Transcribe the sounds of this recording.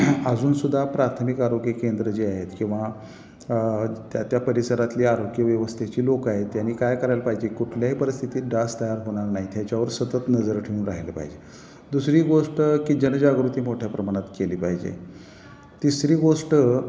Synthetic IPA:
əd͡zuːnsud̪ʱːapɾat̪ʰəmikaɾoɡjəkend̪ɾəd͡ʑiːaɦet̪kĩw̃ʋa | t̪jat̪japəɾisəɾat̪liːaɾoɡjəʋjəʋəst̪ʰet͡ɕiːlokaɦet̪janiːkajkəɾajlpaɦid͡ʑekuʈʰljaɦipəɾist̪ʰit̪iːɖast̪əjaɾɦoɽ̃aɾnaɦit̪jat͡ɕaʋəɾsət̪ət̪nəd͡zəɾʈʰeuːnɾaɦelepa̰ɦid͡ʑe | d̪usɾiːɡoʂʈkiːd͡ʑənd͡ʑaɡɾut̪iːmoʈʰjapɾəmaɽ̃at̪keliːpaɦid͡ʑḛ | t̪isɾiːɡoʂʈ

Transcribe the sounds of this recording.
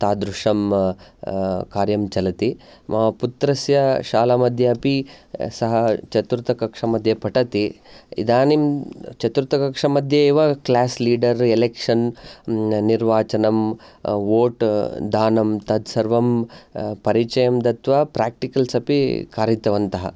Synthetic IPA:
t̪aːd̪ɾuʂɐm | kaːɾjɐmt͡ʃɐlɐt̪imɐput̪ɾɐsjɐʃaːlɐmɐd̪ʱjɐɐpisɐɦɐt͡ʃɐt̪uɾut̪ɐkɐkʂɐmɐd̪ʱjɐpɐʈɐt̪iḭd̪aːnimt͡ʃɐt̪uɾt̪ɐkɐkʂɐmɐd̪ʱjɐiʋɐklaːsliːɖɐɾelekʂɐn | niɾʋaːt͡ʃɐnɐmʋoːʈd̪aːnɐmt̪ɐd̪ʱsɐɾʋɐm | pɐɾit͡ʃɐjɐmd̪ɐt̪ʋɐpɾaːk̚ʈikɐlsɐpikaːɾjit̪ɐʋɐnt̪ɐɦɐ̰

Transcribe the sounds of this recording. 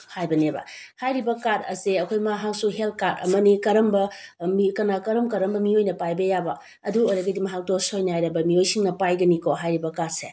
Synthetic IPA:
hajbɐnebɐ̰hajɾibɐkaɾɐ̰seɐkʰojmaɦaksuɦelt̚kaɾɐ̰mɐnikɐɾɐmbɐmikɐnakɐɾɐmkɐɾɐmbɐmiojnɐpajbɐjabɐ | ɐduojɾɐɡɐdimɐɦak̚tosojnɐɦajɾɐbɐmiojsiŋnɐpajɡɐnikʰoɦajɾibɐkaɾse

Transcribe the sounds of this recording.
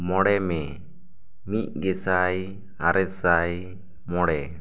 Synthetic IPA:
mɔɽɛmɛ | mic̚ɡɛsaj | aɾɛsaj | mɔɽɛ

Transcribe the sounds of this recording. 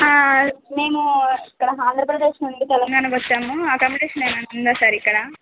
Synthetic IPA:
me̞ːmuikːɐɽɐaːnd̪ɾɐpɾɐd̪eːʂnuɳɖit̪ɛlɐŋɡaːɳɐkʋɐt͡ʃːaːmuaːkɐmːiʈeʂɐneːnɐnnd̪aːsaːɾikːɐɽɐ

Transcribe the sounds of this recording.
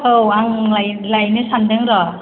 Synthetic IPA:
owaŋlalajnɯsand̪ɯŋɾɔ

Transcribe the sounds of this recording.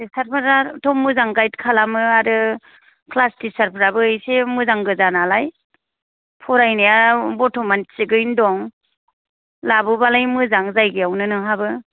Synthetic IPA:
isaɾpʰaɾatʰɔmːɯzaŋɡajt̚kʰalamɯaɾɯ | kʰlastisaɾpʰaɾabɯɯjsemɯzaŋɡɯzanalaj | pʰɔɾajnijabɔtʰɔmansiɡɯjndɔŋ | labɯbalajmɯzaŋzajɡɯjawnɯnɯɦabɯ

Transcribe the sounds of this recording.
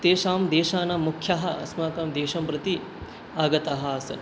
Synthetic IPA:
t̪eːʃaːmd̪eːʃaːnɐmukʰjɐɦɐɐsmaːkaːmd̪eːʃɐmpɾɐt̪i | aːɡɐt̪aɦɐɐsɐ̰n

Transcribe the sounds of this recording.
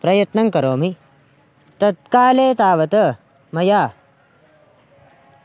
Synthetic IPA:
pɾɐjɐt̪nɐŋkɐɾoːmi | t̪ɐt̪̚kaːleːt̪aːʋɐt̪ɐ | mɐjaː

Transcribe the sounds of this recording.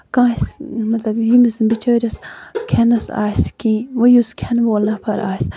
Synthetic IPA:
kãːsmɐt̪lɐbjimisbit͡ʃəːɾʲɐskʰenɐsa̰ːjskĩːʋɐjuskʰenʋoːlnɐpʰɐɾa̰ːjs

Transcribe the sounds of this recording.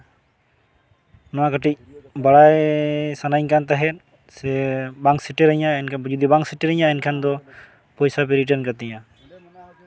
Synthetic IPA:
nakaʈic̚baɽajsanaɲkant̪aɦɛt̪̚ | sɛbaŋsiʈɛɾaɲaɛnʰd͡ʒɔd̪ibaŋksiʈɛɾaɲaɛnkʰand̪ɔ | pɔjsap̬ɛɾiʈ̬aɾnkat̪ɛja

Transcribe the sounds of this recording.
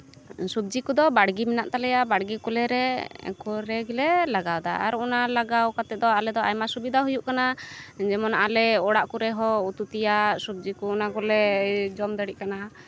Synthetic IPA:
sub̚d͡ʒikud̪ɔbaɽɡimɛnaʔt̪alɛjabaɽɡikulɛɾɛ̰kɔɾɛɡilɛlaɡawd̪a̰a̰ɾunalaɡawkat̪ɛt̪̚d̪ɔalɛd̪ɔajmasubid̪ʱaɦujuʔkanad͡ʒɛmɔnalɛɔɽaʔkuɾɛɦɔut̪ut̪ijasub̚d͡ʒikuːnakɔlɛd͡ʒɔmd̪əɽiʔkana

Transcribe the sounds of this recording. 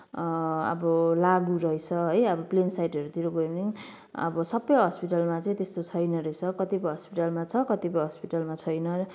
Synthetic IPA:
ʌ̰bʌlaɡuɾʌjt͡sʰʌɦʌjʌbʌplensajʈʌɾut̪ʰiɾoɡojni | ʌ̰bʌsʌbʌjɦʌspiʈalmat͡saĩt̪est̪ot͡sʰʌjnʌɾʌjt͡sʰʌkʌt̪ipʌjɦʌspiʈalmat͡sʰʌkʌt̪ipʌjɦʌspiʈalmat͡sʰʌjnʌ

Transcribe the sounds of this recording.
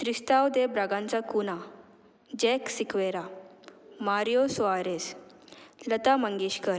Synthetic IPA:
t̪ɾist̪awd̪ebɾaɡãnt͡sakuna | d͡ʑɛksikʋeɾa | maɾjosɔaɾes | lət̪aməŋɡeɕkəɾ

